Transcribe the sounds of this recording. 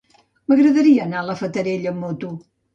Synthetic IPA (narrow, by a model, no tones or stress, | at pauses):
məɣɾəðəɾiəːnaləfət̪əɾeʎəmot̪u